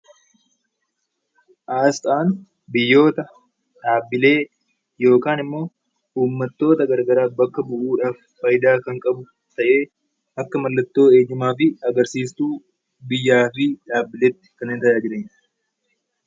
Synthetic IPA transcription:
ʔaːst̪ʼaːn | bɪjːo̞ːt̪ɐ | ᶑaːbːɪle̞ː | jo̞ːkaːnɪmːo̞ː | uːmːɐt̪ːo̞ːt̪ɐɡɐɾɡɐɾaːbɐkːɐbʊʔuːᶑaːf | fɐjd̪aːkɐŋkʼɐbʊ | t̪ɐʔe̞ː | ɐkːɐmɐlːɐt̪ːo̞ːeːd͡ʒɪmaːfɪɐɡɐɾsiːst̪uː | bɪjːaːfɪᶑaːbɪleːt̪ːɪ̥kɐnːent̪ɐjaːd͡ʒɪɾeːɲ

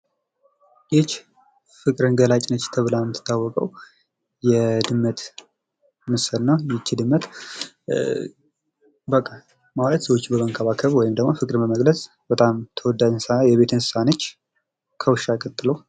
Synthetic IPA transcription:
jet͡ʃː | fɨkʼɾɨnɡəlat͡ʃʼnət͡ʃːt̪ʰəβɨlalmɨt̪ʰːɨ̥t̪ʰːawːɔkʼəw | jɛd̪ɨmːət̪ | mɨsəlnəwjɪt͡ʃːɪd̪ɨmːət̪ | bəkʼːa | mawlət̪səwot͡ʃːbəməŋkʰəβakʰəβwɔjɪmd̪əɡmofɨkʼɾɨmbəməɡlət͡sʼ | bət̪ʼamt̪ʰəwɔd̪ːad͡ʒsajɛβe̞t̪ʰɨnsɨ̥sanət͡ʃː | kʰəwʃakʼət̪ʼːɨləw

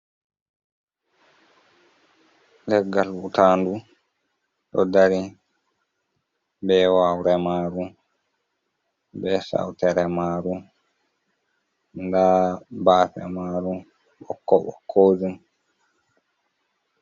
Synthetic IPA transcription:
lɛɡːalutaːndu | ɗɔdaɾi | bɛwawɾɛmaːɾu | bɛsa̰wtɛɾɛmaːɾu | ndabaːfɛ̰maːɾu | ɓɔkːɔɓɔkʰːoːzun

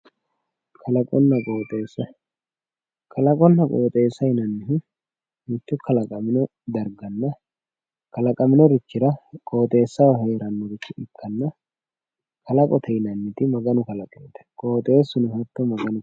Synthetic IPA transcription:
kʰɐlɐkʼɔnːɐkʼoːt̪ʼeːsːɐ | kʰɐlɐkʼɔnːɐkʼoːt̪ʼe̞ːsːɐjnɐnːɪhɪ | mɪt̪ːʊkʰɐlɐkʼɐmɪnɔ | d̪ɐɾɡɐnːɐ | kɐlɐkʼɐmɪnɔɾɪt͡ʃːɪɾɐkʼo̞ːt̪ʼe̞ːsːɐwɐɦeːɾɐnːɔɾɪt͡ʃːɪʔɪkːɐnːɐ | kʰɐlɐkʼɔt̪ʰɛjnɐnːɪt̪ɪmɐɡɐnʊkɐlɐkʼeːt̪ɛ̥kʼoːt̪ʼeːsʊnʊhɐt̪ːɔmɐɡɐnʊ

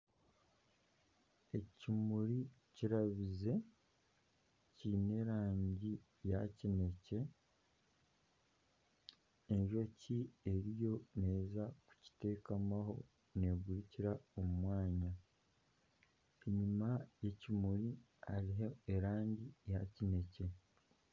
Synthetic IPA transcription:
e̞cimuɾi | ciɾaβize̞ | ciːne̞ɾaːɲɟi | ja̰cine̞ce̞ | ɲʒo̞cie̞ɾijo̞ne̞ːzaku̥ci̥te̞ːkamaɦo̞̰ | ne̞ːɡuɾiciɾaommwaːɲa | iɲimaje̞cimuɾi | ha̰ɾiɦeeɾaːɲɟijacine̞ce̞

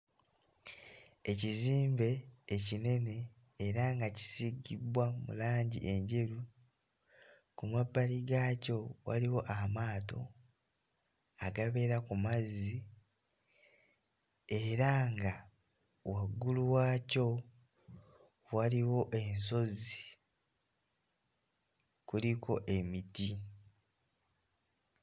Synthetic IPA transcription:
e̞ciziːmbe̞ːcine̞ne̞ː | ɾaŋɡaci̥siɡibwamṵlaːɲɟḭʔe̞ɲɟe̞ɾu | kumabːaliɡaːco̞wa̰liwo̞ʔamaːto̞̰ | aɡaβe̞ɾakumazi | e̞ɾaŋɡa | waɡːuluwaːco̞ | waliwo̞ʔe̞ns̬o̞zi | kulikʰo̞̰ʔe̞miti

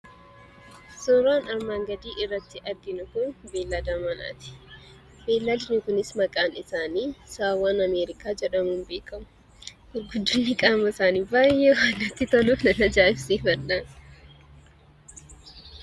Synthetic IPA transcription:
sɔɾaːnɐɾmaːŋɡɐd̪iːʔɪrːɐt̪ːɪʔɐɾɡɪnʊkʊnbeːlːad̪aːmɐna̰ːt̪ɪ̥ | beːlːad̪ɪnʊkʊnɪsmɐkʼaːnɪsaːniːsaːwaːnɐmeːɾɪkaːd͡ʒɛᶑɐmuːnbeːkʰɐmʊ̥ | ɡʊɾɡʊd̪ːʊnːɪkʼaːmɐɪsaːniːbaːjɛwaːnːɐt̪ːɪt̪ɐluːfnɐnɐd͡ʒaːɪfsiːfɐnːaːn

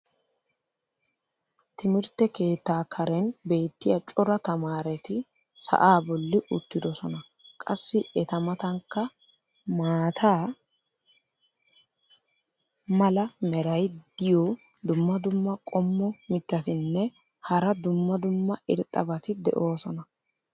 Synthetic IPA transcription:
t̪ɪmɪɾt̪ːɛke̞ːt̪ːaːkʰɐɾɛnbe̞ːt̪ːɪjɐt͡ʃʼɔɾɐt̪ɐmaːɾɛt̪ɪ | sɐ̰ʔaːbɔlːɪʔʊt̪ːɪd̪ɔsɔnɐ | kʼɐsːɪɛt̪ɐmɐt̪ɐŋkːɐ | maːt̪ʰaː | mɐlɐmɛɾɐjd̪̥ɪjɔ | d̪ʊmːɐd̪ʊmːɐkʼɔmːɔmɪt̪ːɐt̪ɪnːɛ | hɐɾɐd̪ʊmːɐd̪ʊmːɐɪɾt̪ʼːɐbɐt̪ɪd̪ɛ̰ʔo̞ːsɔnɐ

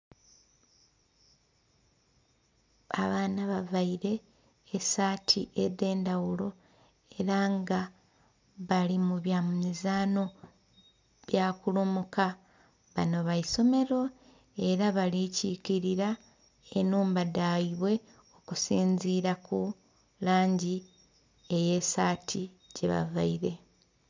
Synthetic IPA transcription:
a̰βaːnaβavaiɾe̞ː | saːtʰiʔeðe̞ːndawulo̞ | e̞ɾaŋɡa | βalimuβjamumizaːno̞ | βjaːkulumuka | βano̞βaiso̞me̞ɾo̞ | e̞ɾaβalicikiɾiɾa | enuːmbadaiβwe̞ | o̞kusiːɲziːɾaku | laːɲɟi | e̞je̞saːtʰi | ɟeβa̰vaiɾe̞

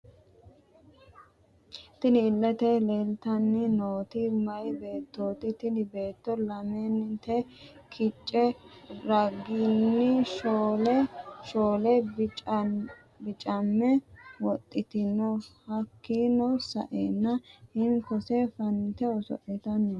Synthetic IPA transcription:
t̪ɪnɪːlːɛt̪eleːlt̪ɐnːɪnoːt̪ɪmɐjbe̞ːt̪ːoːt̪ɪt̪ɪnɪbe̞ːt̪ːɔlɐmenːɪt̪ɛ | kʰɪt͡ʃʼːɛɾɐɡːinːɪʃoːlɛʃoːlɛ | bɪt͡ʃʼɐmːɛwɔt̪ʼːɪt̪ɪnɔhɐkːiːnɔsɐ̰ʔeːnːɐhɪŋkɔsɛfɐnt̪ɛɔsɔ̰ʔɛt̪ɐnːɔ

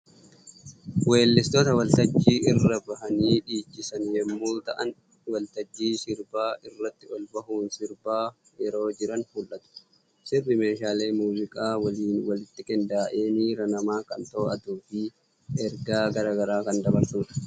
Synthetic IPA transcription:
weːlːɪst̪oːt̪ɐwɐlt̪ɐd͡ʒːiːʔɪrːɐbɐɦɐniːᶑiːt͡ʃːɪsɐnjɛmːuːt̪ɐʔɐn | wɐlt̪ɐd͡ʒːiːsɪɾbaːʔɪrːɐt̪ːɪɔlbɐɦuːnsɪɾbaː | jɛɾo̞ːd͡ʒɪɾɐnhuːlʔɐt̪ʊ̥ | sɪrːɪme̞ːʃaːle̞ːmuːzɪkʼaːwɐliːnwɐlɪt̪ːɪkʼɪnd̪aːʔe̞ːniːɾɐnɐmaːkɐnt̪ɐːɐd̪uːfɪ | ɛɾɡaːɡɐɾaːɡɐɾaːkɐnd̪ɐbɐɾsuːᶑɐ̥

